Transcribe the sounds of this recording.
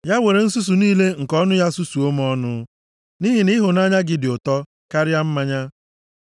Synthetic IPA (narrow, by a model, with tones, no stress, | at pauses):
ja˦we˨ɾe˨n̩˦su˦s̬u˨niː˦le˦ŋ̩˨kɔ˦nʊ˦ja˦su˦su˨o˦m˦ɔ˦nʊ˦ | ni˦ɦi˨ni˦ɦʊ˨na˦ɲa˦ɡɪ˨dɪ˨ʊ˨tɔ˦ | ka˦ɾɪ˦a˦m̩˦ma˦ɲa˦